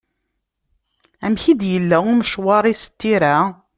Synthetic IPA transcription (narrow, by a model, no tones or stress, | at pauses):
æmçid̪jəlːæumʃwɑɾˤisə̥t̪ːiɾæ